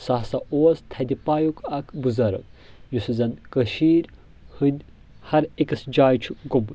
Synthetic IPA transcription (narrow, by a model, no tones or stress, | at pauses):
saɦsɐʔoːst̪ʰɐd̪ipaːjukʰɐkʰbuzɐɾɐ̰ | jusɨzɐnkɐʃiːɾ | hɨnʲ | hɐɾikɐsd͡ʒaːjt͡ʃʰuɡum